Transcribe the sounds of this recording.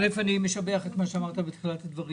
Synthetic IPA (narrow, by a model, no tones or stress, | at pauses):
lefanimeʃabeaχet̪maʃeamaʁt̪abet̪χilat̪ad̪vaʁi